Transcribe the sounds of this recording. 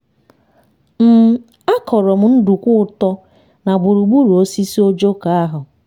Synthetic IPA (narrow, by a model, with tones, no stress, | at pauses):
m̩˦ | a˦kʰɔ˨ɾɔ˨m̩˨˦n̩˦du˨kʷʊ˦ʊ˦˨tɔ˦ | na˨ɡ͡bu˨ɾu˨ɡ͡bu˦ɾu˨o˦si˦si˦o˦d͡ʒo˦ka˨a˦ɦʊ˨